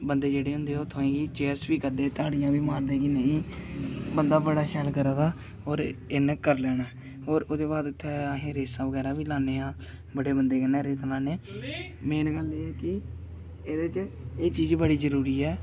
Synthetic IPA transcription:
bənd̪eːd͡ʒeːɽeːɦʊ̃nd̪eːoːt̪ʰoẽːɡiːt͡ʃeːɾsbiːkəɾd̪eːt̪aːɽɪjãːʋiːmaːɾd̪eːkinəĩː | bənd̪aːbəɽaːʃʰɛːlkəɾãːd̪aː | oːɾɪnkəɾlɛːñaɛ | ɦoːɾʊd̪eːbaːd̪ʊt̪ʰːɛːaɦẽːɾeːsãːʋəɡɛːɾãːʋiːlaːnːeːãː | bəɽeːbənd̪eːkənɛːɾeːsaːlaːneː | meːnɡəleːɛːkɪ | eːd̪eːt͡ʃeːt͡ʃiːd͡ʒbəɽiːzəɾuːɾiːɛː

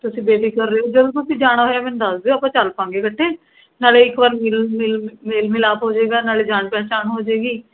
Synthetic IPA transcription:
t̪ʊsĩːbeːbiːkəɾːeːoːd͡ʒəd̪õːt̪ʊsĩːd͡ʒaːɽ̃aːɦoːjaːmɛ̃nd̪əsd̪eːoːpãːt͡ʃəlpãːŋɡeːkəʈʰːeː | naːleːɪkʋaːɾmɪlmɪlmeːlmɪlaːpɦoːd͡ʒeːɡaːnaːleːd͡ʒaːɳpɛːt͡ʃaːnɦoːd͡ʒeːɡiː

